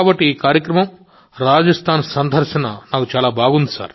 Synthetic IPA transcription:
bɐʈːiiːkaːɾjɐkɾɐmɐm | ɾaːd͡ʒɐst̪ʰaːnsɐnd̪ʱɐɾʃɐnɐnaːkut͡ʃaːlaːbʱaːɡund̪isa̰ːɾ

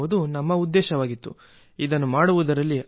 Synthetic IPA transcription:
ud̪unɐmːɐud̪ːɛːʃɐʋaːɡit̪ːṵ | id̪ɐnːumaːɽuʋud̪ɐɾɐlːi

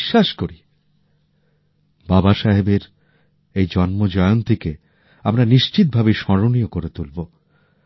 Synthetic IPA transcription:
ʃːaʃkoɾi | babaʃaɦebeɾ | ejd͡ʑɔnmod͡ʑɔeont̪ike | amɾaniʃt͡ɕit̪̚bʱabeʃɔɾonijokoɾet̪ulbo

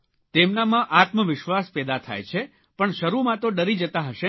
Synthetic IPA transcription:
t̪emnamãʔat̪məʋɪʃʋaspɛd̪at̪ʰa̰jt͡ʃʰe | pəɳʃəɾumãt̪oɖəɾid͡ʒət̪aɦəʃe

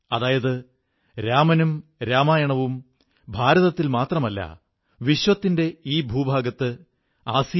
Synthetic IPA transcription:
ɐðaːjɐðɨ | ɾaːmɐnumɾaːmaːjɐɳɐʋum | bʱaːɾɐðɐt̪ːilmaːt̪rɐmɐlːɐ̰ | ʋiɕʋɐt̪ːinde̞iːbʱuːbʱaːɡɐt̪ːɨ | aːsi

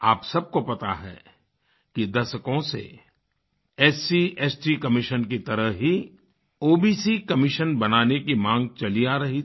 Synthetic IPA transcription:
aːpsɐb̚kopɐt̪a̰ɦɛ̰ | kid̪ɐsəkõsḛ | ɛːsiɛːsʈikɐmɪʃənkit̪ɐɾəɦɦi | oːbiːsikɐmɪʃənbɐnaːnekimãːŋɡ̚t͡ʃɐliaːɾɐɦi

